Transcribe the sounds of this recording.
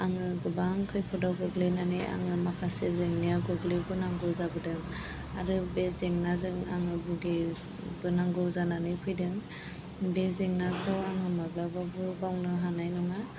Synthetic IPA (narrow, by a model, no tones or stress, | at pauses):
aŋɯɡɯbaŋkʰɯjpʰɔdawɡɯɡlenaniʔa̰ŋɯmakʰasezeŋnijaɡɯɡlebɯnaŋɡɔwzabɯdɯŋ | aɾɯbezeŋnazɯŋa̰ŋɯbuɡe | bɯnaŋɡɯzananɯpʰɯjdɯŋ | bezeŋnakʰawaŋɯmaɡlababɯbawnɯɦanajnɯŋa